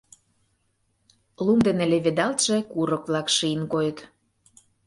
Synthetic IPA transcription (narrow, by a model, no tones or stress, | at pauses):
lumd̪enĕlʲĕβed̪ɑlt̪ʒ̥ĕkuɾɤ̆kβlɑkʃiənkojə̆t̪